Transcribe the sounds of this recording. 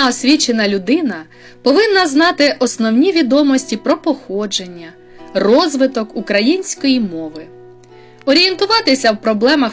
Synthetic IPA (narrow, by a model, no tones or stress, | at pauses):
ɔsʲʋʲit͡ʃenɐlʲʊd̪ɪnɐ | pɔʋɪnːɐznɑt̪ɪʔɔsnɔwnʲiʋʲid̪ɔmɔsʲtʲipɾɔpɔxɔd͡ʒe̞nʲːɐ | rɔzʋɪt̪ɔkukɾɐjinʲsʲkɔjimɔʋɪ | ɔɾʲije̞nt̪ʊʋɑt̪ɪsʲɐwpɾɔblˠɛmɐ